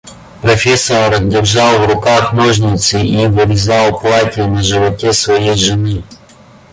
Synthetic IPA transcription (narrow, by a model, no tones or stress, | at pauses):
pɾɔfʲɛsɔɾɾɐzʲdʲɪrʒɑwwɾʊkaxmɔʒnʲɪt̪sʲɪiʋɪɾʲɪzɑwˠplˠatʲiɛnɐʒɪʋɔtʲɛsʋɔjɛjʒɪnɪ